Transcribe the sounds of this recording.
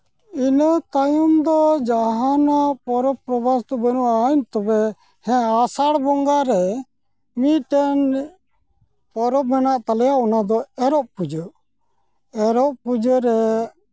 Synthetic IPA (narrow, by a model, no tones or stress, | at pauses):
inət̪ajumd̪ɔd͡ʒaɦanapɔɾɔpɾɔbast̪ɔbənuʔaɲt̪ɔbɛ | hɛ̃asaɽbɔŋɡaɾɛ | miʈɛn | pɔɾɔbɛnaʔt̪alɛjaʔɔnad̪ɔɛɾɔʔpud͡ʒə | ɛɾɔʔpud͡ʒəɾɛ